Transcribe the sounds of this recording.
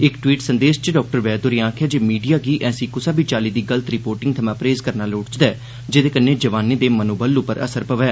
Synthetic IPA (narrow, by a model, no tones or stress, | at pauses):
ɪkʈʋiːʈsənd̪eːʃt͡ʃəɖɔːk̚ʈəɾʋɛːd̪ʊɾjãːkʰɛːd͡ʒeːmiːɖijaːɡiːʔɛːsiːkʊsãːbit͡ʃaːliːd̪iːɡələt̪ɾɪpoːɾʈɪ̃ŋɡt̪ʰəmãːpɾeːzkəɾnaːloːʈt͡ʃd̪ɛː | d͡ʒed̪eːkəneːd͡ʒəʋaːneːd̪eːmənuːbəlupəɾə̰səɾpəʋɛː